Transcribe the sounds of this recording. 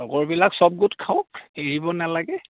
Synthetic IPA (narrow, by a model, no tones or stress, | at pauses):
ɔɡɔɹbilaksɔb̚ɡutkʰaɔkeɹibɔnalaɡɛ